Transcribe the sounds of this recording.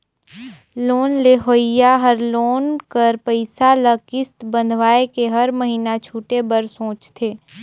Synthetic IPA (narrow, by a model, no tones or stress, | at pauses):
loːnleɦoːɪjaɦəɾloːnkəɾpəɪsaləkɪst̪bə̃nd̪ʱʋaːekeɦɐɾməɦiːnat͡ʃʰuːʈebəɾsõːt͡ʃt̪ʰeː